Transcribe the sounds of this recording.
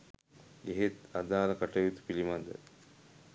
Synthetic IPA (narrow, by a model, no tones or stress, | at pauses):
eɦet̪ɐd̪aːnɐkɐʈɐjit̪u̥pilimɐd̪ə̰